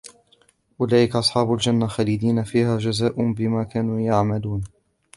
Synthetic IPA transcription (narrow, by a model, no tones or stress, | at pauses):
ʔʊlaːʔɪkaʔɑsˤħɑːbʊld͡ʒanːaxaːlid̪iːnafiːhaːd͡ʒazaːʔʊnbɪmaːkaːnuːjaʕmaluːn